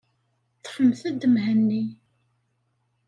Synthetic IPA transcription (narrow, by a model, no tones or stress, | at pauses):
θħəmːθæd̪əmɦənːi